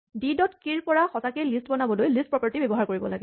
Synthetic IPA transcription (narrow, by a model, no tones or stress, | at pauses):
didɔtkiɹpɔɹaxɔtakejlistbɔnabɔlojlist̚pɹɔpaɹtibebɔɦaɹkoɹibɔ̰laɡɛ